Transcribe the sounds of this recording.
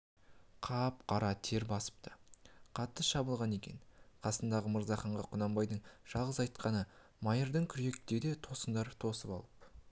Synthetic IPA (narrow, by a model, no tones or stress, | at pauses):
qʰɑp̚qʰɑɾɑt̪ʰe̞ɾbɑsə̥p̚t̪ʰə̥qʰɑt̪ːəʃɑbəlˠʁɑne̞kʲe̞̰nqʰɑsənd̪ɑʁəməɾzɑχɑɴʁɑqʰʊnɑmbɑjd̪əɴʒ̥ɑlˠʁəzɑjt̪qɑnə | mɑjəɾd̪əɴkʲʰʏɾe̞k̚t̪ed̪e̞t̪ʰo̞sənd̪ɑɾt̪ʰo̞səpɑ̰lˠəp̚